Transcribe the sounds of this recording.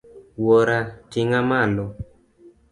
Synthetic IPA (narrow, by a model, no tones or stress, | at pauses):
wɔɾatɪŋamalɔ